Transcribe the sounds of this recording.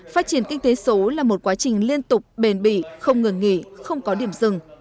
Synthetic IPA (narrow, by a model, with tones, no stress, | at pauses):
faː˦˥t̚t͡ɕi˧˩ənkï˧ŋ̟t̪e˨˦so˨˦laː˨˩mo˨˩t̚kwaː˨˦t͡ɕï˨˩ŋ̟li˧ənt̪ʊ˨˩k͡p̚ɓe˨˩nɓḭ˧˩˨xə˧wŋ͡mŋɨ˨˩ŋŋḭ˧˨xə˧wŋ͡mkɔ˨˦ɗi˧˨əmzɨ˨˩ŋ